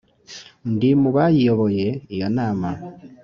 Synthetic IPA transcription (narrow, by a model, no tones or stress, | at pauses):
ndimuβajijoβojeijonaːma